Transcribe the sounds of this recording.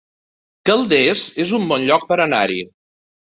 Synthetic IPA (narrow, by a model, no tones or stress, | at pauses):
kəlˠd̪ezezumbɔnʎɔk̚pəɾənaɾḭ